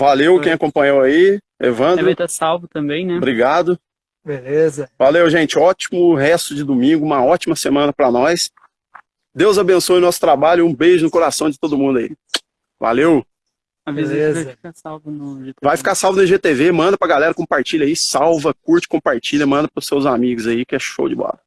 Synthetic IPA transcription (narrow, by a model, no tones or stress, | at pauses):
valewkẽj̃ɐkõpɐ̃jɲowɐi | ḛvɐ̃nd̪ɾet̪ɐsawvʊt̪ɐ̃mbẽj̃nɛbɾiɡad̪ʊ | belezɐvalewʒẽt͡ʃɪɔt͡ʃimʊɦɛst̪ʊd͡ʒɪd̪umĩŋɡʊũmɐɔt͡ʃimɐsemɐ̃nɐpɾɐnɔjs | d̪ewzabẽsojʊnɔsʊ̥t̪ɾabaʎʊũbejʒʊnʊkoɾasɐ̃w̃d͡ʒɪt̪od̪ʊmũd̪ɐḭ | va̰lew | avizlefi̥kasawvɐnʊʒet̪vajfi̥kasawvʊnɐʒet̪evemɐ̃nd̪ɐpɾɐɡalɛɾɐkõpaɾt͡ʃiʎɐisawvɐkuɾt͡ʃɪ̥kõpaɾt͡ʃiʎɐmɐ̃nd̪ɐpɾʊsːewzamiɡʊzaikɪɛʃo̰wd͡ʒɪbɔ̰ɾɐ